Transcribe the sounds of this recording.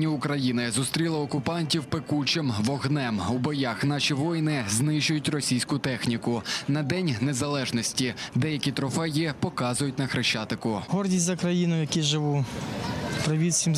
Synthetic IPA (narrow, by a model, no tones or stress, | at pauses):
nʲiʊkɾɐjinɪzʊst̪ɾʲilˠɐɔkʊpɑnʲtʲiwpekut͡ʃɪmʋɔɦnɛmubɔjɑxn̪ɑʃʲiʋɔjnɪznɪʒʊjʊtʲrɔsʲijsʲkʊt̪ɛxnʲikʊnɐd̪ɛnʲnezɐlˠɛʒnɔsʲtʲid̪ɛjɐkʲit̪ɾɔfɛjɛpɔkɑzʊjʊtʲnɐxɾɪʃt͡ʃɑt̪ɪkʊɦɔrdʲisʲt̪ʲzɐkɾɐjinʊjjɐkʲiʒɪʋu | pɾɐʋʲisʲim